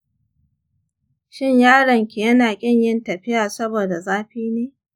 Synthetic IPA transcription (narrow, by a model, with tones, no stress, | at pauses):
ʃɪ˦ɲjaː˦ɽɐ˨ŋkʲi˨jɐ˦naː˨kʲʼɪ˦ɲjɪ˦ntɐ˨ɸɪ˦jaː˨sɐ˦boː˨da˨zaː˦ɸiː˦neː˦